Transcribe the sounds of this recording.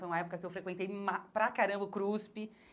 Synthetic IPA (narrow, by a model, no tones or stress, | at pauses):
ojũmɐɛpʊkɐkɪewfɾekwẽnt̪ejmapɾakaɾɐ̃mbɐkɾuspɪ